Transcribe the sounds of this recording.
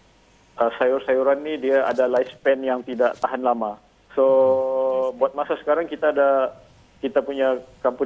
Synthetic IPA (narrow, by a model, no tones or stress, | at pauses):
ʔəsajʊrsajuɾanːidiaadalajspɛnjaŋt̪idaʔt̪aɦanlama | so | buat̪̚masasə̥kaɾaŋkit̪aːda | kit̪apuɲakampu